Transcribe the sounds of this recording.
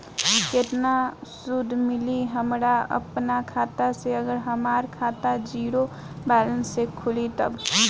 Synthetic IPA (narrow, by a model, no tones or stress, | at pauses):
ket̪nasud̪ʱmɪliɦəmɾaə̰pnakʰaːt̪aseəɡəɾɦəmaːɾkʰat̪ad͡ʒiːɾo | bɛːlənsːekʰʊlit̪ə̰b